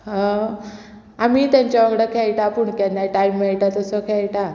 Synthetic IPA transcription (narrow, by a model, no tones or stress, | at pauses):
ɦã | amit̪jãɲt͡ɕjaʋəɡɽəkʰɛɭʈapuɳkɛnd̪ajʈajmːɛɭʈat̪əsɔkʰɛɭʈa